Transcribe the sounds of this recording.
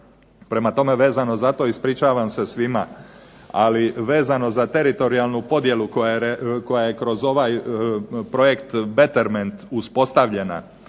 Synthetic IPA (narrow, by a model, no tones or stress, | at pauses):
pɾemat̪o̞me̞ʋe̞ːzano̞zat̪o̞ːispɾit͡ʃaːʋamse̞sʋima̰ | aliʋe̞ːzano̞zat̪e̞ɾit̪o̞ɾialˠnupo̞d̪je̞lukojɾeko̞jaje̞kɾo̞zo̞ʋaj | pɾo̞je̞kt̪bet̪e̞ɾment̪uspo̞st̪aʋʎe̞na̰